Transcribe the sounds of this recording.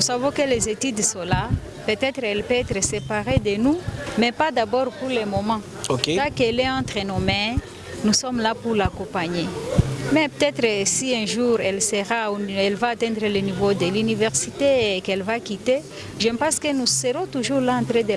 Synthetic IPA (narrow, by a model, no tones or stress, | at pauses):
usavɔ̃kəlɛzet̪yd̪sɔ̃la | pøt̪ɛt̪ɾɛlpøɛt̪ɾəsepaʁed̪ənumɛpad̪abɔʁpuʁlɛmɔmɑ̃ | okeakɛlɛɑ̃t̪ʁɛnɔmɛ̃ | nusɔmlapuʁlakɔ̃paɲemɛpøt̪ɛt̪ʁəsiɛ̃ʒuʁɛlsəʁauɛlvaːt̪ɛ̃d̪ʁələnivod̪əlynivɛʁsit̪ekɛlvakit̪e | ʒəpɑ̃skənusəʁɔ̃t̪uʒuʁlaɑ̃t̪ʁed̪ə